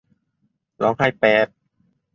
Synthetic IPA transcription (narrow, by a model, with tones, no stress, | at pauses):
lɔː˨˦˥ŋha˥˩jpɛː˨˦˩t̪̚